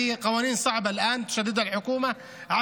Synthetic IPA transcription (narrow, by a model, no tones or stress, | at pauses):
ɪjːæqɑwæːniːnsˤɑʕbɑlʔæːnt̪ʊ̥ʃæd̪ːɪd̪ælħokuːmæ | ʕa